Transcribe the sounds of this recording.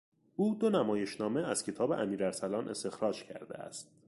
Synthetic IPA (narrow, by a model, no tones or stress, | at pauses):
uːd̪onæmɒːje̞ʃnɒːme̞æz̥cʰe̞t̪ʰɒːbeʔæmiːɾæɾsælɒːnʔe̞̰st̪e̞xɾɒːd͡ʒcʰæ̰ɾd̪ḛæ̰st̪̚